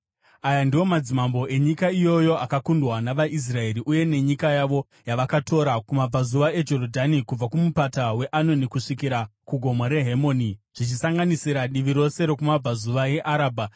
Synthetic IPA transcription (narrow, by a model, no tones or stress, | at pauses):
ajandiwo̞mad͡zimambo̞e̞ɲikaijo̞jo̞akakundwanaʋaʔis̬rae̞ɾiʔuje̞ne̞ɲikajaʋo̞ | jaʋakatʰo̞ɾakumab͡vazuʋae̞d͡ʒo̞ɾodʱanikub͡vakumupatawe̞ʔano̞nikuʂikiɾakuɡʱo̞maɾe̞ɦemo̞ːniʐ̥it͡ʃisaŋɡanisiɾaɗiʋiɾo̞se̞ɾo̞kumab͡vazuʋaje̞ʔaɾaːbʱa